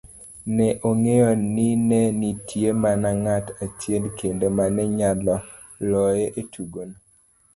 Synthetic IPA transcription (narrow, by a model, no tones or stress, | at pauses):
nɛʔoŋejɔninɛnitʰjemanaŋatat͡ʃjelkendemanɛɲalɔ | lɔjeʔetʰuɡon